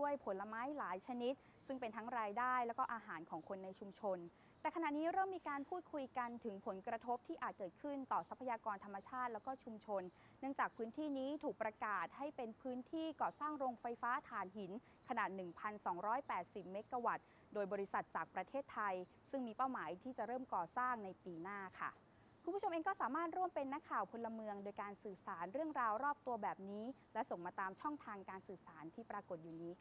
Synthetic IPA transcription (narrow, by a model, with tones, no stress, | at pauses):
u˥˩əjpʰo˨˩˦nla˧maː˦˥jlaː˩˦jt͡ɕʰa˧ni˦˥t̪̚ | sɯ˥˩ŋpe˧nt̪ʰa˦˥ŋɾaː˧jdaː˥˩jlɛː˦˥wkɔː˥ʔaː˧ɦaː˩˦nkʰɔː˩˦ŋkʰo˧nːa˧jt͡ɕʰu˧mt͡ɕʰo˧n | t̪ɛː˨˩kʰa˧na˨˩niː˦˥ɾɤː˥˩mːiː˧kaː˧npʰuː˥˩t̪̚kʰu˧jka˧nt̪ʰɯ˩˦ŋpʰo˩˦nkɾa˧t̪ʰo˦˥p̚t̪ʰiː˥˩ʔaː˨˩t̪̚kɤː˨˩t̪̚kʰɯ˥˩nt̪ɔː˨˩sa˦˥pʰa˧jaː˧kɔː˧nt̪ʰa˧mːa˧t͡ɕʰaː˥˩t̪̚lɛː˦˥wkɔː˥˩t͡ɕʰu˧mt͡ɕʰo˧nː | ɯ˥˩əŋt͡ɕaː˨˩k̚pʰɯː˦˥nt̪ʰiː˥˩niː˦˥t̪ʰuː˨˩k̚pɾa˧kaː˨˩t̪̚ha˥˩jpe˧npʰɯː˦˥nt̪ʰiː˥˩kɔː˨˩saː˥˩ŋɾoː˧ŋfa˧jfaː˦˥t̪ʰaː˩˦nɦi˩˦n | kʰa˧naː˨˩t̪̚nɯ˨˩ŋpʰa˧nsɔː˩˦ŋɾɔː˦˥jpɛː˨˩t̪̚si˨˩p̚meː˦˥t̪̚ka˧wa˨˩t̪̚ | doː˧jbɔː˧ɾi˦˥sa˨˩t̪̚t͡ɕaː˨˩k̚pɾa˧t̪ʰeː˥˩t̪ʰːa˧j | sɯ˥˩ŋmiː˧pa˥˩wmaː˩˦jt̪ʰiː˥˩t͡ɕa˨˩ɾɤː˥˩mkɔː˨˩saː˥˩ŋna˧jpiː˧naː˥˩kʰa̰˥˩ | kʰu˧npʰu˥˩o˧mʔeː˧ŋkɔː˥˩saː˩˦maː˥˩t̪̚ɾu˥˩əmpe˧nːa˦˥kʰːaː˨˩wpʰo˧lːa˧mɯ˧əŋdoː˧jkaː˧nsɯː˨˩saː˩˦nɾɯ˥˩əŋɾaː˧wɾɔː˥˩p̚t̪u˧ɐbɛː˨˩p̚niː˦˥lɛ˦˥so˨˩ŋmaː˧t̪aː˧mt͡ɕʰɔ˥˩ŋt̪ʰaː˧ŋkaː˧nsɯː˨˩saː˩˦nt̪ʰiː˥˩pɾaː˧ko˨˩t̪̚juː˨˩niː˦˥kʰ